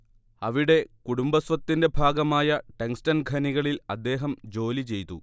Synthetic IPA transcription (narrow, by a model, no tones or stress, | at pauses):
ɐʋiɽe̞kuɽumbɐsʋɐt̪ːinde̞bʱaːɡɐmaːjɐʈeŋstɐnɡʱɐniɣɐɭilɐd̪ːe̞ːɦɐmd͡ʑo̞ːlit͡ɕe̞jt̪ṵ